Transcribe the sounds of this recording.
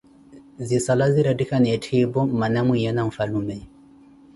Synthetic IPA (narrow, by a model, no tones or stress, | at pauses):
zisalaziɾadikanɛtʰibɔmanamijɛnaɱ̩falumɛ